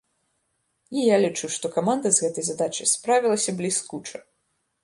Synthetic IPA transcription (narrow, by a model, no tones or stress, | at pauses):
ijalʲit͡ʂuʂt̪ɔkamand̪ɐzɣɛt̪ɐjzad̪at͡ʂɐ̰jspɾavʲilˠɐsʲɐblʲiskut͡ʂɐ